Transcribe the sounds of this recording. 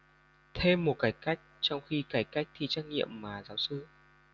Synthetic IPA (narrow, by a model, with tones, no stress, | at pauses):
t̪ʰe˧mːo˨˩t̚kaː˨˦jka˦˥jk̟̚t͡ɕɔ˧wŋ͡mxi˧kaː˨˩jka˦˥jk̚t̪ʰi˧t͡ɕaː˦˥k̚ŋḭ˧˨əmːaː˨˩zaː˨˦wsɨ˧